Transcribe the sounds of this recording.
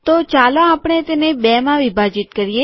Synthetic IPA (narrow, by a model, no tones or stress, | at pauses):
t̪ot͡ʃalõapəɳ̃et̪enebɛmãʋibʱad͡ʒit̪kəɾije